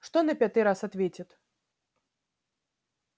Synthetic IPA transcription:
ʂt̪ɔnɐpʲat̪ɨɾasat̪vʲet͡sʲɪt̪

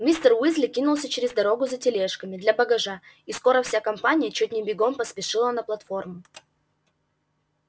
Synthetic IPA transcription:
mʲist̪ərwizlʲɪkʲinʊlˠsʲət͡ɕɪɾʲɪzd̪ɐɾo̞ɡʊzətʲɪlʲeʂkəmʲɪd̪lʲɐbəɡɐʐa | isko̞ɾəfsʲakɐmpanʲɪjət͡ɕut̚ʲnʲɪbʲɪɡo̞mpəspʲɪʂɨlˠənəplˠɐt̪fo̞rmʊ

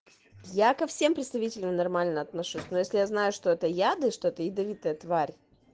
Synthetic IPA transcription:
jakɐfsʲe̞mpɾʲɪt̪st̪ɐvʲitʲɪlʲɪmnɐrmalʲnəɐt̪nɐʂusʲnojesʲlʲɪjaznajʊʂt̪o̞ɛt̪əjad̪ɨʂt̪oɛt̪əɪd̪ɐvʲit̪əjət̪vaɾʲ

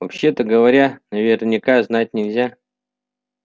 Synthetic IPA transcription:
vɐpɕːe̞t̪əɡəvɐɾʲanɐvʲɪrnʲɪkaznat̚ʲnʲɪlʲzʲa

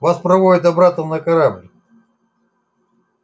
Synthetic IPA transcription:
vaspɾɐvodʲɪt̪̬ɐbɾat̪əmnəkɐɾablʲɪ

